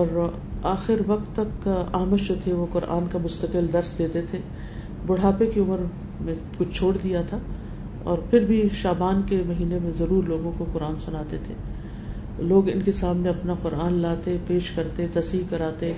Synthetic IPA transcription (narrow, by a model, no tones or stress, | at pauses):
ɔːɾ | aːxɪɾʋɐq̚t̪ːɐkaːməʃd͡ʒoːt̪ʰeʋoqʊɾʔa̰ːnkamʊst̪ɐqɪld̪ɐɾsd̪eːt̪et̪ʰe | bʊɽ̤aːpekiʊməɾ | mẽ | kʊt͡ʃʰt͡ʃʰoːɽd̪ijat̪ʰa | ɔ̰ːɾpʰɪɾbʱiʃaːbaːnkemɐɦiːnemẽzɐɾuːɾloːɡõkoqʊɾaːnsʊnaːt̪et̪ʰe | loːɡɪ̰nkesaːmneɐpnaqʊɾʔaːnlaːt̪epeːʃkɐɾt̪et̪ɐsiːkɐɾaːt̪e